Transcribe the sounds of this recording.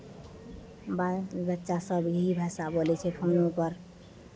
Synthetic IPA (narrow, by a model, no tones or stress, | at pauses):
babətːʃasəbɦibʱasabolɛt͡ʃʰɛpʰonupəɾ